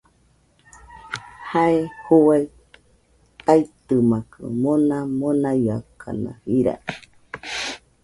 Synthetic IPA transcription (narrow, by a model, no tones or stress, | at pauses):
haehowai | t̪ait̪ɨmakɨ̰monamonajakʰa̰na̰hiɾa̰